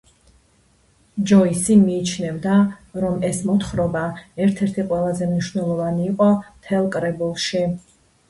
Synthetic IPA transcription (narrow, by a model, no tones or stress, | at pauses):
d͡ʒɔisimiːt͡ʃʰnɛvd̪aɾɔmɛsmɔt̪χɾɔbaɛɾt̪ʰɛɾt̪ʰiqʼwɛlˠazɛmniʃvnɛlˠɔvaniːqʼɔt̪ʰɛlˠkʼɾɛbulˠʃi